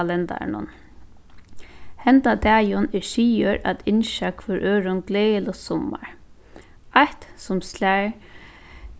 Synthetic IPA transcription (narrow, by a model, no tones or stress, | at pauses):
lɛnt̪a̰nʊ̰n | hɛnt̪ad̪ɛːjʊnɛʃiːəɾʔa̰t̪ʰɪnʃakʰvœɾʔøːɾʊnɡleːlʊsɔma̰ɹ | aht̪sʊmslæɹ